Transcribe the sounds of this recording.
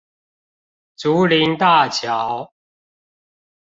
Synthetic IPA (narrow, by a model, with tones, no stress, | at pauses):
t͡su˨˦li˨˦nt̪a˥˨t͡ɕʰja˨˦ʊ